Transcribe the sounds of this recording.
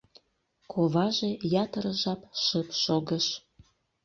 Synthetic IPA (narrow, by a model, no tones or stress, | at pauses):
kʰoβɑʒejɑt̪əɾəʒɑpʃəpʃoɣəʃ